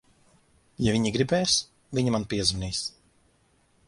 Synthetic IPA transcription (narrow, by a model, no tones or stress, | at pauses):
javiɲiɡɾibɛːs | viɲimanpiɛzviniːs